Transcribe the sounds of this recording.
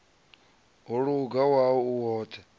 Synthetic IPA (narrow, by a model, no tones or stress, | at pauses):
ɦuɺuɡawaɔuwɔːt̪ʰɛ